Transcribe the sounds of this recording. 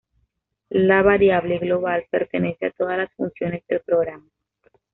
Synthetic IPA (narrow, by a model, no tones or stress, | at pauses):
laβaɾjaβleɣlo̞βalpe̞ɾt̪e̞ne̞seat̪o̞ðalasfunsjo̞ne̞zðe̞lpɾo̞ɣɾama